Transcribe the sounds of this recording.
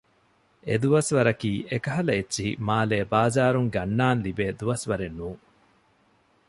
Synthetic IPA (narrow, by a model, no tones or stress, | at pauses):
ed̪uʋɐsʋɐɾɐkiːʔekɐɦɐlɐetːʃiɦḭmaːleːbaːzaːɾuŋɡɐnːaːnlibeːd̪uʋɐsʋɐɾenːuː